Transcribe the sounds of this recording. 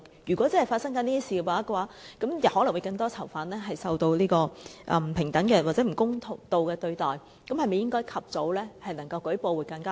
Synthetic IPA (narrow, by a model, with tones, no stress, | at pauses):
jyː˨˩kʷɔː˨˥t͡sɐ˥hfaː˧tsɐ˥ŋkɐː˨niː˥t̪iː˥siː˨kɛ˧paː˨˩a˥kːwaː˨˥kɐ˨˥mjɐ˨˩whɔː˨˥lɐ˨˩ŋwu˨˧jkɐ˧ŋt̪ɔː˥t͡sʰɐ˨˩wfaː˨˥nɛː˥ɦɐ˨jsɐ˧wt̪o˧wliː˥kɔː˧ʔɛ˨˧m̩˨˩pʰɪ˨˩ŋt̪ɐ˨˥ŋkɛː˧waː˨tt͡sɛ˨˥m̩˨˩kʊ˥ŋt̪ʰʊ˨˩ŋt̪o˨˧wkɛː˧t̪ɵ˧ɥt̪ɔː˨˩j | kɐ˨˥mhɐ˨jme˨˩jɪ˥ŋkɔː˥jkʰɐ˨p̚t͡so˨˥wlɛː˥hɐ˨jnɐ˨˩ŋkɐ˧wkɵ˨˥jpo˧wu˨jkɐ˧ŋkaː˥